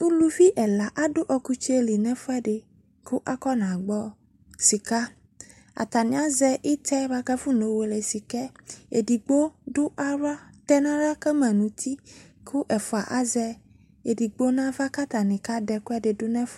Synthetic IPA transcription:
u˦lu˦vi˦ʔɛ˨la˨ʔa˦ɖʊ˦ʔɔ˨ku˦t͡ʃe˦li˨nɛ̃˦fɔ˦ɛ˦ɖe˨ | kʰʊ˦ʔa˦kɔ˦nã˨ɡ͡bɔ˦ | si˨ka˦ | a̰˨t̪a˨nĩ˨a˦zɛ˦ʔi˦t̪ʰɛ˦ba˦kɛ˦fu˦no˨˦wo˨le˨si˨kɛ˦ḛ˨di˨ɡ͡bo˦ɖʊ˦ʔa˦ɾa˦t̪ɛ˦nã˦ɾa˦kɛ˦mɛ̃˨nũ˨t̪ʰi˦kʰʊ˦ʔɛ˨fɔ˨a˨ʔa˦zɛ˦ | e˨di˨ɡ͡bo˦nã˦va˦ka˦t̪a˨nĩ˨ka˦ɖɛ˨kʊ˦ɛ˦ɖe˨dʊ˦nɛ̃˦f

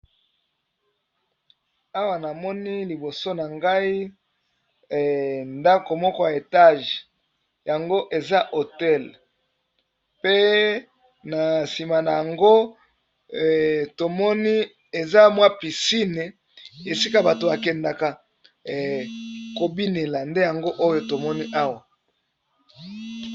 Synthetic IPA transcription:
a˦wa˨na˨mɔ˦ni˦li˨bo˨so˦na˨ŋɡa˦i˦˨ | nda˦ko˨mɔ˦kɔ˦ja˨e˨ta˦ʒ | ja˨ŋɡo˦ʔe˨za˦ʔo˨tɛ˦l | pe˦ | na˨si˨ma˨na˨ja˨ŋɡo˦˨ | to˨mɔ˦ni˦ | e˨za˦mwa˦pi˨si˦ne˨ | e˨si˦ka˦ba˨to˨ba˨kɛ˨nda˨ka˨ | ko˨bi˦ne˨la˨nde˦ja˨ŋɡo˦ʔo˦jo˨to˨mɔ˦ni˦ʔa˦wa˨

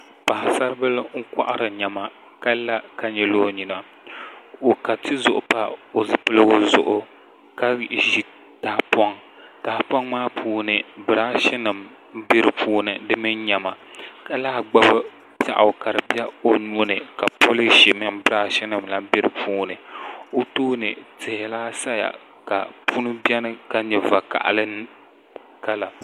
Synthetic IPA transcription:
pa˨ha˨sa˦ɾɨ˦bɨ˦lŋ̩˦ka̰˦ʔa˦ɾɨ˨ɲa˨ma˨ | ka˦la˦ka˨ɲɛ˨lo˦ɲi˨na˨ | o˨ka˨tʰɨ˦zʊ˨ʔʊ˨pa˦o˨zɨ˦pɨ˦lɨ˦ɡʊ˦zʊ̰˨ʔʊ˦ | ka˦ʒi˦ | ta˨pɔ˦ŋ | taː˨˦pɔ˦ŋmaː˦pʰuː˦nɨ˨bɨ˨ɾaː˦ʃɛ˦nɨ˨m̩˦ | be˦ɾɨ˨pʰuː˦nɨ˨dɨ˦mɨ˦nɲa˨ma˨ka˦la˦hɡ͡ba˦bɨ˦ | t͡ʃa̰˨ʔa̰˨ka˨ɾɨ˨bi˦a˦o˦nu˦o˦nɨ˨ka˨po˦lɨ˦ʃi˨mɨ˦mbɨ˦ɾaː˦ʃɪ˦nɨ˨mla˦be˦ɾɨ˨puː˦nɨ˨o˦toː˦nɨ˨tɪ˨hɪ˨laː˦sa˦ja̰˨ | ka̰˨pu˦nɨ˦bi˦ɛ˦nɨ˦ka˦ɲɛ˨va˨ka̰˨ʔa̰˨lɨ˦n | ka˦la˨

